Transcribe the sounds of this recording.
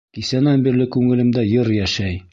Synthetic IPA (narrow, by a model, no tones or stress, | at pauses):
kisænæmbiɾlɘkʉŋɘ̆lɘ̆md̪æjɤɾjæʃæj